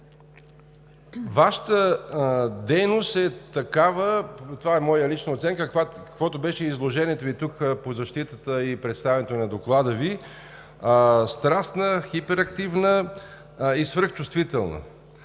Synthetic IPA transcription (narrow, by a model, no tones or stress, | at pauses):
vaʃə̥t̪ə | d̪ɛjnost̪ɛt̪ɐkavət̪ovaɛmɔjəlit͡ʃnəot̪sɛŋkəkvakɐkvɔt̪obɛʃɛizlˠoʒɛnʲiɛt̪ovit̪ukpozɐʃt̪it̪ət̪əipɾɛt̪st̪avɛnɛt̪onɐd̪oklˠad̪əvi | st̪ɾasnəxipɛɾɐkt̪ivnə | isvəɾxt͡ʃʊst̪vit̪ɛlˠnə̰